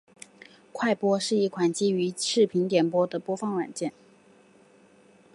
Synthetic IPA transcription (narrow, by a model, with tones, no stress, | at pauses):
kʰwa˥˩ɪpwɔ˥ʂɻ̩˥˧i˥˩kʰwa˨˩nt͡ɕi˥y˧˥ʂɻ̩˥˩pʰi˧˥nt̪jɛ˨˩npwɔ˥d̪ə˨pwɔ˥fɑ˥˩ŋwa̰˨˩nt͡ɕjɛ˥˩n